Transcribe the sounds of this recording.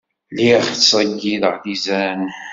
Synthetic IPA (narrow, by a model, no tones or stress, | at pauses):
liχsˤəɡːiðəʁθizæn